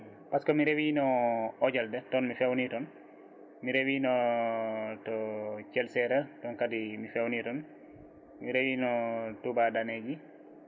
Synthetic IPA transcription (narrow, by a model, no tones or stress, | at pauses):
paskomiɾewinɔɔɟaldɛtɔnmifewnitɔn | miɾewinɔ | tɔt͡ʃɛlsɛɾatɔnkadimifewnitɔn | miɾewinɔtubadaneɟi